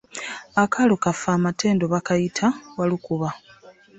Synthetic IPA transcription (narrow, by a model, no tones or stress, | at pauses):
akʰalokafaːmatʰe̞ːndoβakajitʰawalikuβa